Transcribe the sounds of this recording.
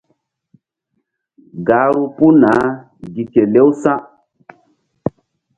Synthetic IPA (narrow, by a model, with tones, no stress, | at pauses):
ɡa˨˦ɾu˦pu˦na˨˦ | ɡi˨ke˨le˦wsã˦